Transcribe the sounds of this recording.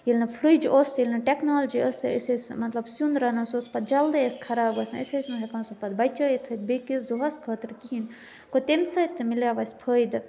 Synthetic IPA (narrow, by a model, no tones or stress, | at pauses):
jilʲnɐpʰɾɨd͡ʒʔoːsilʲnɐʈeknoːld͡ʒiəsəsesmɐt̪lɐbsunɾɐnɐsoːspɐt̪̚d͡ʒɐld̪ɐeskʰɐɾaːbɐsʲɐ̰sʲesʲnɐɦɐkɐnsupɐd̪bɐjt͡ʃɐjit̪ʰɐt̪̚bekizoɦɐskʰəːt̪ɾkiɦin | kot̪emsɐt̪ːɨmilaːʋɐsʲpʰəːjd̪